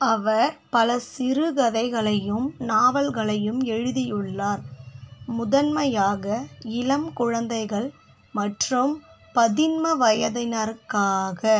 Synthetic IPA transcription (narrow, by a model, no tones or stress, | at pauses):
ɐʋɐɾpɐlɐsɪɾɯɣɐðɐɪɣɐɭɐjɯmnaːʋɐlɣɐɭɐjɯmɛɻɯðɪjɯɭːaːɾ | mʊðɐnmɐjaːɣɐɪlɐmkʊɻɐnd̪ɐɪɣɐɭ | mɐʈrɯm | pɐðɪnmɐʋɐjɐðɪnɐɾkaːɣɐ